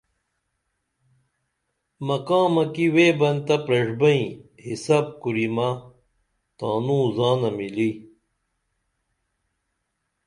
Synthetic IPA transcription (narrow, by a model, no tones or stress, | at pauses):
mɐkaːmɐkiweːbɐnt̪ɐpɾɐʐbɐĩ | hisaːb̚kuɾima | t̪aːnũːzaːnɐmili